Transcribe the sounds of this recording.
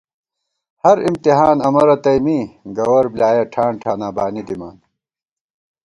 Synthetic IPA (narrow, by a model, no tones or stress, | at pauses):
hɐɾimt̪iɦaːnɐmɐɾɐt̪ɐjmiɡɐwɐɾblaːjɐʈʰaːɳʈʰaːnaːbaːnid̪ima̰ːn